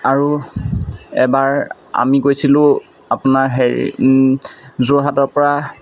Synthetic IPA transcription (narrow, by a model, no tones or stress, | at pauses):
aɹu | ɛ̰baɹ | a̰mikojsilʊ̃ | apʊnaɹɦḛ | zoɹɦatɔɹpɔɹa